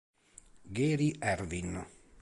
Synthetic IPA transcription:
ɡeːɾiʔɛɾvin

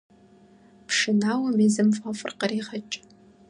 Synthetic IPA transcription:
pʰʂɨnaːwɐmiːzɨmfʼafʼɨ̰rqɐriːʁɐt͡ʃʼ

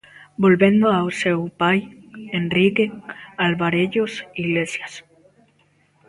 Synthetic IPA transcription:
bolβend̪oawsewpajenrikealβaɾeʎosiɣlesjas

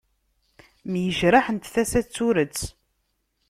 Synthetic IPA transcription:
mjəʒɾaħənt̪θæsæt͡sːuɾət͡sː

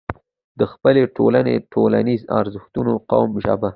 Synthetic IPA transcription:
d̪əxpəleʈʰolanḛʈʰolanizɑ̰ɾzəxt̪unoqɑ̰wmʒa̰ba

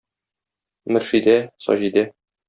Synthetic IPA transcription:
mɘ̆ɾʃid̪æsɒ̰ʑid̪æ

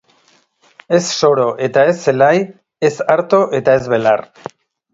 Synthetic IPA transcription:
e̞sso̞ɾo̞ʔe̞t̪ae̞sːelaj | e̞saɾt̪o̞ʔe̞t̪ae̞zβe̞lar

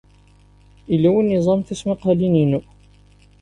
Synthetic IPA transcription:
ilːæwinːizˤɑmθæsmiqalininu

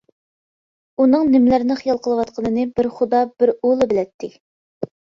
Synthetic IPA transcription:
unɨŋnɪmlæɾɪnɪχijɑlˠqʰəlˠɨwɑt̪qʰənɨnɨbɪɾχʊd̪ɑbɪɾolˠɨbɪlɛt̪ʰːɪkʲ

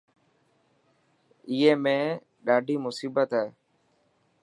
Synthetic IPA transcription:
iːɦeːmẽː | ɗaːɖʱiːmʊsiːbət̪ɦɛː

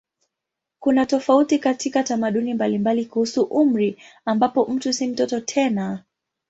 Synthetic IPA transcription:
kunatɔfautikatikatamaɗunimbalimbalikuhusuʔum̩ɾiambapɔm̩tusim̩tɔtɔtʰɛna

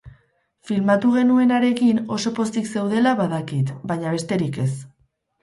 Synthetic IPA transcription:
filmat̪uɣ̞e̞nue̞naɾe̞kino̞so̞po̞st̪ikse̞wð̞e̞laβaðakit̪baɲaβe̞st̪e̞ɾike̞s

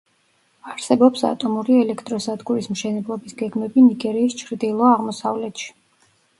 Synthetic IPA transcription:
aɾsɛbɔpsa̰t̪ʼɔmuɾiɛlɛkʰt̪ʼɾɔsad̪ɡuɾismʃɛnɛblˠɔbisɡɛɡmɛbiniɡɛɾiːst͡ʃʰɾd̪ilˠɔaʁmɔsavlɛt̪ʃi̥

